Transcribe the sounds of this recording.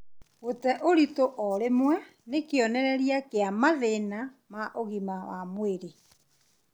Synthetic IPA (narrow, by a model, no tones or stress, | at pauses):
ɣotɛʔoɾitoʔɔɾemwɛ | nekeɔnɛɾɛɾjakeamaðena | maʔoɣimawamweɾe